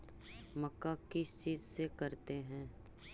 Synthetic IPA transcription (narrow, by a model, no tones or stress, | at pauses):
mɐkːakɪst͡ʃiːzsekɐɾt̪eɦɛ̃ː